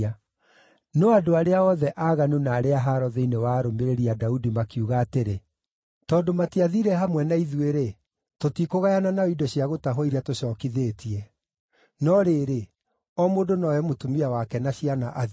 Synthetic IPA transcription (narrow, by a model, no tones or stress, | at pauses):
a | nɔadoaɾeaɔðɛʔaɣanunaːɾeaɦaɾɔðɛinewaɾomeɾeɾiadaudimakiuɣaːteɾe | tɔːndomatiaðiɾɛɦamwɛnaiðweɾe | totikoɣajananaoidɔɕiaɣotaɦoiɾatoɕɔːkiðeːtʰiɛ | nɔɾeɾe | ɔmoːdonɔjɛmotumiawakɛnaɕianaʔa